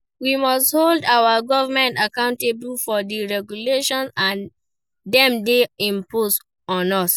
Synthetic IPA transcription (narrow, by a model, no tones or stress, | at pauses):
wimɔstholdawaɡɔvamɛ̃ntakãʊ̃ntebl̩fɔdiɹɛɡjuleʃɔ̃nãn | dɛ̃mdeĩmpos | ɔ̃nɔs